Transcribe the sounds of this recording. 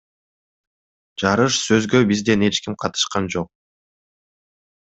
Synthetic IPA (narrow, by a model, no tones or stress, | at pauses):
d͡ʒɑɾɯʃsø̞zɡø̞bizd̪e̞ne̞t͡ʃkimqʰɑt̪ɯ̥ʃqɑnd͡ʒo̞q̚